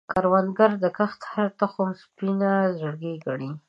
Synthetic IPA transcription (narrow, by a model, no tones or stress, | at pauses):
kaɾwanɡaɾd̪əkaxt̪haɾt̪axʊmspinazəɽɡeɡaɽi